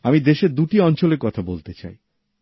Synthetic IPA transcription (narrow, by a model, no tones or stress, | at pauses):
amid̪eʃeɾd̪uʈiɔnt͡ɕoleɾkɔt̪ʰabolt̪et͡ɕa̰j